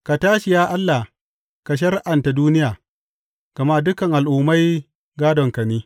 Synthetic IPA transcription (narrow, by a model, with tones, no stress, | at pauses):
ka˨taː˦ʃɪ˨jaː˦ʔa˦lːa˨ | ka˨ʃ̬ɐ˦ɾʔa˨nta˨duː˦nɪ˦jaː˨ | ɡ̥ɐ˨ma˦dʊ˦kɐ˨ŋʔa˨lʔuː˨ma˦j | ɡaː˦dɔ˨ŋkɐ˨niː˦